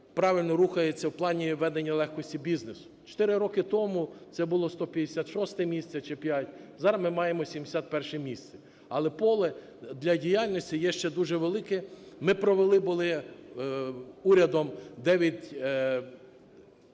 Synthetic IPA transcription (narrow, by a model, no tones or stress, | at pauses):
pɾɑʋʲɪlʲnɔɾuxɐjet͡sʲːɐwplˠɑnʲiʋɛd̪enʲːɐlˠɛxkɔsʲtʲibʲiznesʊ̥t͡ʃɔ̥t̪ɪɾɪɾɔkɪt̪ɔmʊsɛbʊlˠɔst̪ɔpʲjɐd̪esʲat̪ʃɔst̪ɛmʲisʲt̪sʲɛt͡ʃɛpʲjatʲzɑɾɐmɪmɑjemɔsʲimd̪esʲat̪̚pɛrʃɛmʲist̪sʲɛ | ɐlˠɛpɔlˠɛ | d̪lʲɐdʲijalʲnʲɔsʲtʲijɛʃt͡ʃɛd̪uʒɛʋelˠɪkɛmɪpɾɔʋelˠɪbʊlˠɪ | uɾʲɐd̪ɔmd̪ɛʋʲjɐtʲ